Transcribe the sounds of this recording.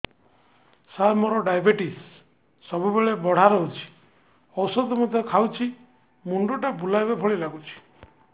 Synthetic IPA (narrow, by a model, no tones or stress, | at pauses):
salmɔɾɔɖajbeʈisː | ɔbubeɭebɔɽ̤aɾɔɦut͡ʃʰi̥ | ɔwsɔd̪ɔmɔd̪ʱjɔkʰawt͡ʃʰi | muɳɖuʈabulajbabʱɔɭilaɡut͡ʃʰi̥